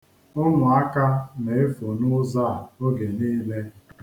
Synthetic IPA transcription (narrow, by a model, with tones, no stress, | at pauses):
ʊ˦nʊ˨a˦ka˦ne˨e˦fo˨nʊ˦za˦˨o˦ɡe˨niː˦le˦